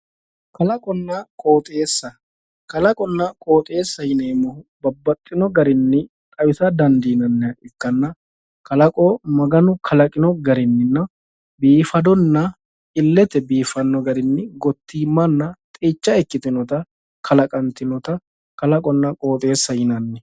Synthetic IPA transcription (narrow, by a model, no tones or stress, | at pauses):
kɐlɐkʼɔnːɐkʼo̞ːt̪ʼe̞ːsːɐ | kɐlɐkʼɔnːɐkʼo̞ːt̪ʼeːsːɐjɪneːmɔhʊbɐbːɐt̪ʼːɪnɔɡɐɾɪnːɪ | t̪ʼɐwɪsɐd̪ɐnd̪iːnɐnːɛʔɪkːɐnːɐ | kɐlɐkʼɔmɐɡɐnʊkʰɐlɐkʼɪnɔɡɐɾɪnːɪnːɐ | biːfɐd̪ɔnːɐ | ɪlːɛt̪ɛbiːfɐnːɔɡɐɾɪnːɪɡɔt̪ːiːmːɐnːɐt̪ʼiːt͡ʃːɐɛkːɪt̪ɪnɔt̪ɐ | kʰɐlɐkʼɐnt̪ɪnɔt̪ɐ | kɐlɐkʼɔnːɐkʼo̞ːt̪ʼe̞ːsːɐjɪnɐnːɛ